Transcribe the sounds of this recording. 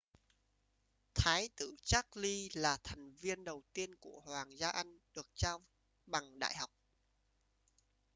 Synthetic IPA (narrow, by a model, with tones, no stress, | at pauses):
t̪ʰaː˨˦jt̪ɨ̰˧˨t͡ɕa˦˥k̚li˧laː˨˩t̪ʰa˨˩jŋ̟vi˧ənɗə˨˩wt̪i˧ənku˧˩əhwaː˨˩ŋzaː˧ʔa˧jŋ̟ɗɨ˨˩ək̚t͡ɕaː˧ | ɓa˨˩ŋɗa̰ː˧˨jha˨˩wk͡p̚